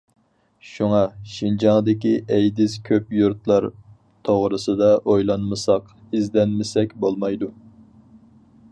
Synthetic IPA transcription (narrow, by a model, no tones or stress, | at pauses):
ʃuŋɑʃind͡ʒɑŋd̪ɪkʲiʔɛjd̪ɪskʲʰøpjuɾt̪lˠɑɾ | t̪ʰoʁɾɨsɨd̪ɑʔojlˠɑnmɨsɑq | izd̪ɛnmɪsɛkʲbolˠmɑjd̪u